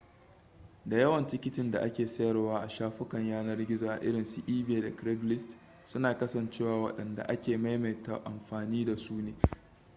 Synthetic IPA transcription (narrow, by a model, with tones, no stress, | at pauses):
da˨jɐ˦wɐ˨ntɪ˦kʲɪ˦tɪ˨nda̰˨ʔa˦kʲeː˨sɐ˦jɐ˨rwaː˦ʔa˨ʃaː˦ɸʊ˦kɐ˨ɲjaː˦nɐ˦rɡʲɪ˦zaː˨ʔa̰˨ʔɪ˦ɾɪ˨nsu˨ʔiː˦beː˨da˨kɾɛ˦ɡlɪ˦st | sʊ˦naː˨kɐ˦sɐ˨nt͡ʃeː˦waː˨wɐ̰˦ɗɐ˨nda̰˨ʔa˦kʲeː˨ma˦jme˨ta̰˨ʔa˨mɸaː˨niː˦da˨suː˦neː˨